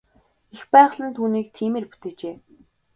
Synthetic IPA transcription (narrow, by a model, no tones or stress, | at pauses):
expæːʁɮə̆nt̪ʰuːniːk̚t̪ʰiːmeːrpu̥t̪eːt͡ɕeː